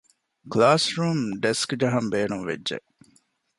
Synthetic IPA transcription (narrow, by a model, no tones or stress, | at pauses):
klaːsɾuːmɖeskd͡ʒɐɦɐmbeːnunʋḛdʒḛ